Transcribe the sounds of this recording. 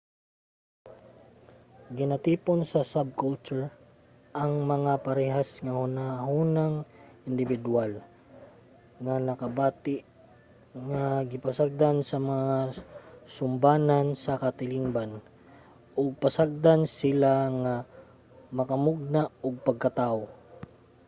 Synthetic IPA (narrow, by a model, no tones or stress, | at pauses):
ɡɪnat̪iːponsɐsab̚kʊlt͡ʃʊɹ | ʔɐŋmɐŋapɐɾɛɦasŋahʊnaɦunaŋ | ɪnd̪ɪbɪd̪ual | ŋanɐkɐbaːt̪ɪʔ | ŋaɡɪpasaɡ̚d̪ansɐmɐŋa | sʊmbaːnansɐkɐt̪ɪliŋban | ʔʊɡ̚pasaɡ̚d̪ansɪlaŋa | mɐkɐmʊɡ̚naoɡ̚pɐɡ̚kɐt̪ao